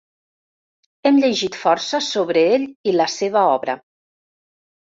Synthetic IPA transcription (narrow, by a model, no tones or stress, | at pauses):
ɛmʎeʒit̪fɔɾsəsoβɾəeʎiləseβəɔβɾə̰